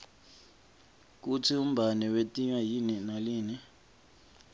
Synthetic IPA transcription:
k̬ut͡sʰium̩bʱanɛwetʼiɲwajininaliːni

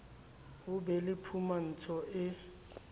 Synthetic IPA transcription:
ɦʊbɛlɪpʰuman̩t͡sʰɔʔɪ

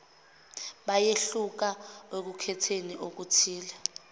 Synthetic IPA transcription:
ɓajeɬuk̬awek̬ukʰɛtʰeniʔok̬utʰiːlɛ

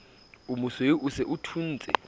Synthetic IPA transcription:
umuseiʔusɛʔutʰuːnd͡zʱɛ̰

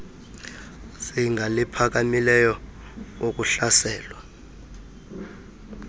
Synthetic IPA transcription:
siŋɡʱalipʰak̬amilɛjɔ | ok̬ʼuɬasɛːlwa

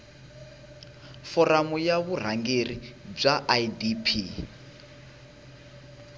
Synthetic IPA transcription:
fɔramujaβur̤aŋɡerib͡ʐaʔadipʰi

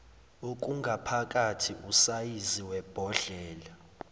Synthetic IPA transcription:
ok̬ʼuŋɡʱapʰak̬ʼatʰiʔusajiziwɛb̥ʱɔɮɛːla

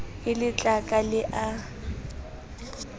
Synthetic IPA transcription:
ɪlɪt͡ɬʼakʼalɪʔa

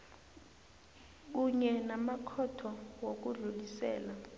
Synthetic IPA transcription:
k̬uɲɛnamakʰɔtʰɔwok̬uɮulisɛ̰ːla

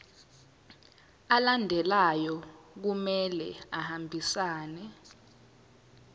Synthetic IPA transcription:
alandʱɛlajɔk̬umɛlɛ̰ahambʱisaːnɛ

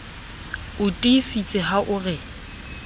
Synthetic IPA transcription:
ʊtʼisit͡sʼɪɦaʔʊrɪ

